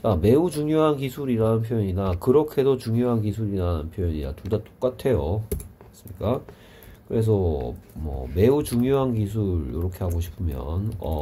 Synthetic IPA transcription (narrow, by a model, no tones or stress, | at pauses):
t͡ɕame̞ut͡ɕuŋjoɦankisʰuɾiɾanɯnpʰjojʌɲinakɯɾʌkʰe̞dot͡ɕuŋjoɦankisʰuɾiɾaɯnpʰjojʌɲina̰tudat͈o̥k͈atʰe̞jo | as͈ɯmɲik͈a | kɯɾe̞s̬ʰʌmʌ̰me̞ut͡ɕuŋjoɦankis̬ʰuɾjo̰ɾʌkʰe̞ɦaɡoɕʰi̥pʰɯmjʌ̰nʌ̰